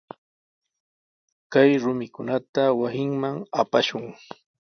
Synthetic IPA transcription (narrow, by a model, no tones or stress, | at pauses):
kajɾʊmɪkʊnat̪awasɪŋmaŋapaʃʊŋ